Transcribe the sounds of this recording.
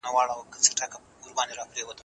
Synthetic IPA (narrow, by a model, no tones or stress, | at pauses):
nawɑːɽawkət͡səʈaka | uɾbɑnd̪eɾɑpɾewət̪